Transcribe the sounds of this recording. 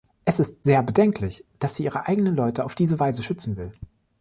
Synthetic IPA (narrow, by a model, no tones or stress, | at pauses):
ʔɛsɪstz̥eːɐbədɛŋkʰlɪçd̥asz̥iːʔiːʁəʔaɪɡənənlɔʏtəaʊfd̥iːzəvaɪzəʃʏt͡sn̩vɪl